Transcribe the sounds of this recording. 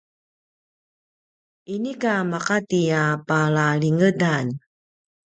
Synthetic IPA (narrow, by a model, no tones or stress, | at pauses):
inikamaqatiapaɭaɭiŋədan